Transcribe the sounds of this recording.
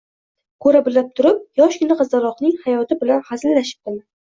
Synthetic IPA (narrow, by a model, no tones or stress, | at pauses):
kʰɵɾabɪlap̚t̪ʰʊɾɪp̚jɒʃkʰʲɪnɪqʰɨzd̪alˠɒqnɪŋhajɒt̪ʰɪbɪlanhazllaʃɪ̥p̚d̪ɪma